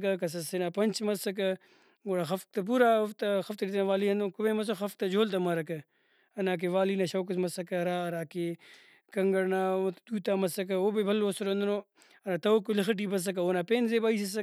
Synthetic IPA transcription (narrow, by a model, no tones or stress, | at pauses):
kɐkɐs̬ɐsenapɐnʲt͡ʃmɐsɐk̬ɐ | ɡoːɽaxɐfk̚t̪ɐp̬uɾaːft̪ɐxɐft̪ɐɾit̪ɐnaʋaːliɐnd̪okubemɐs̬oxɐfk̚t̪ɐd͡ʒoːlt̪ɐmɐɾɐkɐ | ɐnaːk̬eʋaːliːnaʃɐwk̬ɐsmɐsɐkɐɾaːɐɾaːke | kɐŋɡɐɾnaːd̪uːt̪aːmɐsɐk̬ɐoːbebʱɐlːoːsɐɾond̪ɐno | ɐɾat̪ɐokulixɐʈ̬iːbɐs̬ɐk̬ɐoːnaːpeːnzebaːisɐsɐ